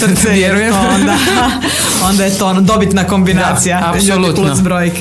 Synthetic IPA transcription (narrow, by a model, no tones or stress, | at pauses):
ʋjeɾujeond̪a | ond̪ajet̪ond̪o̞bit̪nako̞mbinaːt̪sijaapsolt̪lusbɾoːjik